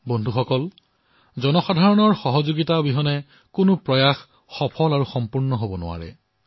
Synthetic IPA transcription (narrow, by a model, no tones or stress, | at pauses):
bɔndʱuxɔkɔl | zɔnɔxadʱaɹɔnɔɹxɔɦɔzoɡitabiɦɔnɛ | kʊnʊpɹɔjax | xɔpʰɔlaɹuxɔmpuɹnɔɦobɔnʊ̰a̰ɹɛ̰